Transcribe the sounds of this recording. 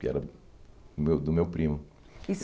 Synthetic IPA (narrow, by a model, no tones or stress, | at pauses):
kɪɛ̰ɾɐ | mewd̪ʊmewpɾĩmʊ | is